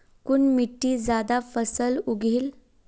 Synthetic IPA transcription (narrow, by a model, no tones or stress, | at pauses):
kuɳmiʈːiːd͡zad̪afəsəluɡʱiːl